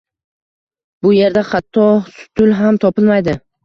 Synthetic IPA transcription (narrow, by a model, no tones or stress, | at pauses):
bʊje̞ɾd̪aχat̪ʰːɒsʊ̥t̪ʰʊlˠɦamt̪ʰɒpɪlmajd̪ɪ